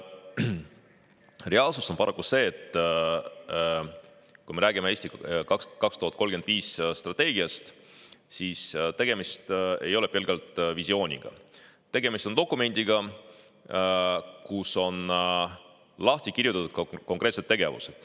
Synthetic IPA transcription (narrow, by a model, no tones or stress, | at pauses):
re̞ɑːlsuso̞npɑɾʔɑkːuse̞ːt̪ːˑ | kujme̞ɾæːɡimee̞ːst̪ikɑkɑkst̪uhɑt̪ko̞lɡ̥e̞nd̪viːsst̪rɑt̪ːe̞ːɡiɑst̪ | sist̪e̞ɡ̥e̞mist̪e̞̰jo̞lɛpelɡɑlt̪ˑvisio̞ːnʲḭɡ̥ɑ̰t̪e̞ɡe̞mist̪od̪o̞kːˑume̞nʲd̪̥iɡɑ | kuso̞n | lɑht̪ikirjut̪ːˑɑt̪ud̪̥kko̞ŋkˑɾe̞t̪se̞t̪ːe̞ɡ̥e̞vṵsed̪̥